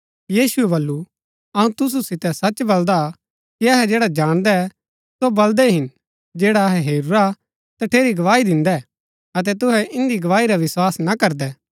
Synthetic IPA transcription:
jiːsʊɛbɐlːu | ɐũt̪ʊs̬usɪt̪ɛsɐt͡ʃbɐld̪a | kiɐɦɛd͡ʒeːɽad͡ʒaːɽ̃d̪ɛ | sobɐld̪ɛɦɪn | d͡ʒeːɽaɐɦɛɦeːɾuɾa | t̪ɐʈʰeːɾiɡɐʋaːid̪ɪ̃nd̪ɛ | ɐt̪̬ɛt̪̬ʊɦɛʔɪ̃nd̪iɡɐʋaːiɾaʋɪswaːsnɐkɐɾd̪ɛː

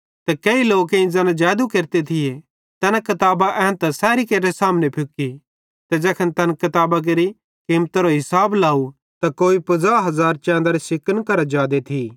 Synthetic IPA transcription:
t̪ɐkeiloːkẽĩd͡zɛnad͡ʒɛːd̪ukeːɾt̪et̪ʰɪje | t̪ɛːnãkɐt̪aːbaʔɛ̃ːt̪ɐsɛːɾikeːɾesaːmnepʰʊki | t̪ɛd͡ʒɛːkʰənt̪ɐnkɐt̪aːbak̬eɾi | kiːmt̪aɾoɦɪsaːblaːu | t̪akoːipɐzaːɦɐzaːɾt͡ʃɛ̃ːnd̪aɾisɪkənkɐɾad͡ʒaːd̪et̪ʰi

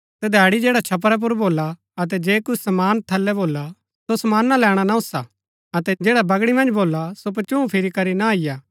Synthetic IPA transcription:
t̪ɛd̪ʱɛːɽid͡ʒeːɽat͡ʃʰɐp̬ɾɛp̬ʊɾboːlːa | ɐt̪̬ɛd͡ʒeːkʊt͡ʃʰsɐmaːnt̪ʰɐlːɛboːla | sosɐmaːnːalɛːɽ̃anaʊsa | ɐt̪ɛd͡ʒeːɽabɐɡɽimɐ̃nd͡ʒboːlasop̬ɐt͡ʃũũpʰɪɾikɐɾinaaːɪjaː

